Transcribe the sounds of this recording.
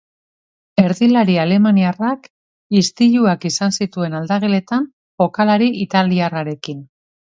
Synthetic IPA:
e̞ɾðilaɾiale̞maniarak | ist̪iʎuakisansit̪ue̞nald̪aɣele̞t̪an | fo̞kalaɾiʔit̪aliaraɾe̞kin

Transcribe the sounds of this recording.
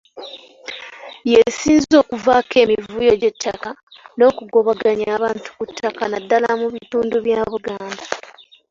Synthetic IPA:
je̞siːnzo̞ːkuvaːke̞ːmivuːjo̞ɟe̞tʰːaka | no̞ːkuɡo̞βaɡaɲaːβaːntu̥kutːakanadːalamuβituːnduβjaːβuɡaːnda

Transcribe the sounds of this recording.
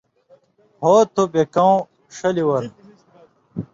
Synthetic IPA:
hoːt̪ʰobekɐw̃ | ʂɐliwɐɾ

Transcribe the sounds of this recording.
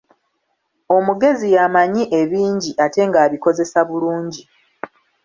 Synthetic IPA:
o̞muɡe̞zijamaɲiʔe̞βiːɲɟiʔate̞ŋɡaːβiko̞ze̞saβuluːɲɟi

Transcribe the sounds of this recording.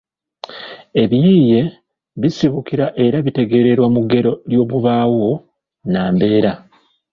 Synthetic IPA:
e̞βjiːje̞ | βisiβukiɾaʔe̞ɾaβite̞ɡe̞ːɾe̞ɾwamuɡe̞ɾo̞ljo̞ːβuβaːwo̞ | naːmbe̞ːɾa

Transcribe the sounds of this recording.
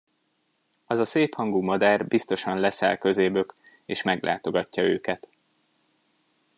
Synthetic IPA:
ɒzɒseːphɒŋɡuːmɒd̪aːrbist̪o̞ʃɒnlɛsɛ̰lkø̞zeːbøk | eːʃmɛɡlʔa̰ːt̪o̞ɡɒcːɒøːkɛt̪

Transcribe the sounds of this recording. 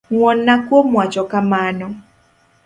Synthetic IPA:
ŋwɔnːakwomwat͡ʃɔkamanɔ

